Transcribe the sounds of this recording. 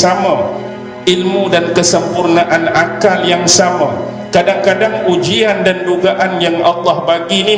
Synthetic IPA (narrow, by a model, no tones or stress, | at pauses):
ama | ilmudankəsəmpurnaʔanakaljaŋsama | kadaŋkadaŋud͡ʒiandanduɡaʔanjaŋɑlːɑhbaɡini